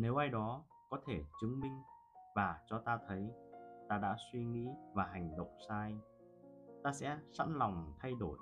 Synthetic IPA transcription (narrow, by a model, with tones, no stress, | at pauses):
ne˨˦wʔaː˧jɗɔ˨˦ | kɔ˨˦t̪ʰe˧˩t͡ɕɨ˨˦ŋmï˧ŋ̟ | vaː˨˩t͡ɕɔ˧t̪aː˧t̪ʰə˨˦jt̪aː˧ɗa̰ː˧˥swi˧ŋḭ˧˥vaː˨˩ɦa˨˩jŋ̟ɗə̰˧˨wŋ͡msaː˧j | t̪aː˧sɛ̰˧˥sa̰˧˥nla˨˩wŋ͡mt̪ʰa˧jɗo˧˩j